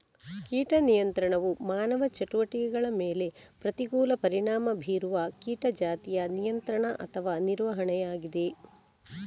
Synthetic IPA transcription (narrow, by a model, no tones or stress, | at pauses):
kiːʈɐnijɐnt̪ɾɐɳɐʋumaːnɐʋɐt͡ʃɐʈuʋɐʈikɛɡɐɭɐmeːle̞pɾɐt̪iɡuːlɐpɐɾiɳaːmɐbʱiːɾuʋɐkiːʈɐd͡ʒaːt̪ijɐnijɐnt̪ɾɐɳɐʔɐt̪ʰɐʋaːniɾʋɐɦɐɳɛjaːɡid̪e̞